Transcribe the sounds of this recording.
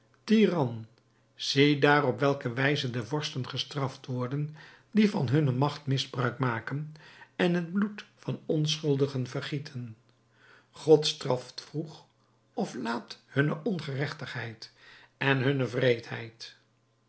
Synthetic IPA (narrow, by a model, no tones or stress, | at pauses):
tiːrɑn | z̥edaːrɔpʋɛlˠkəʋɛjzədəvɔɹstənχəstrɑftʋɔɹdən | divɑnɦɵnəmɑχtmɪzbrœɥkmaːkənɛnɦəd̚blutfɑnɔnsχɵlˠdəχənvərχitʰən | χɔtstrɑftfruχ | ɔflaːthɵnəʔɔnχərɛχtəχɦɛjtɛnɦɵnəvrejtɦɛ̰jt